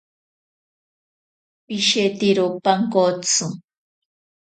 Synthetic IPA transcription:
piʃet̪iɾopaŋkot͡su

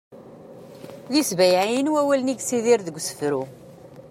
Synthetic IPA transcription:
ðisvæjʕajinwæwælniɡsiðɪɾðəɡʷːsə̥fɾu

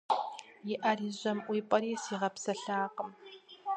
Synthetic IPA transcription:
jɪʔɐriːʑɐmʔʷiːpʼɐɾiːsiːʁɐpsɐɬaːqəm

